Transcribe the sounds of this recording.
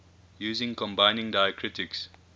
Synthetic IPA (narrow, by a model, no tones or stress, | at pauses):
juːzɪ̃ŋkɔ̃mbãɪ̃nɪ̃ŋdaɪəkʰɹɪtɪks